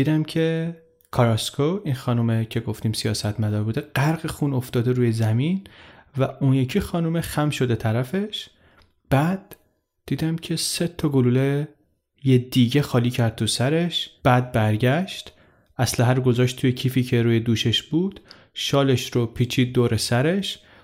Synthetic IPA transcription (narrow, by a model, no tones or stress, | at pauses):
d̪iːd̪æmcʰe̞ | kʰɒɾɒskʰoinxɒːnumecʰe̞ɡo̞ft̪iːmsijɒːsæt̪ʰmæd̪ɒːɾbuːd̪eɢ̥æɾɣexuːno̞ft̪ɒːd̪e̞ɾuːjezæminvæʔunjecʰixɒːnumexæmʃo̞d̪et̪ʰæɾæfe̞ʃ | b̥æːd̪̥̚ː | iːd̪æmcʰe̞se̞t̪ʰːɒɡoluːle | jed̪iɟe̞xɒːliːcʰæɾd̪̚t̪ʰusæɾe̞ʃb̥æːd̪̚bæɾɟæʃt̪ | ʔæslæɦæɾɡo̞zɒːʃt̪ʰujecʰiːfiːcʰeɾuːje̞d̪uːʃe̞ʃb̥uːd̪̥ | ʃɒːle̞ʃɾopʰiːt͡ʃʰiːd̪̚ːoːɾe̞sæɾe̞ʃ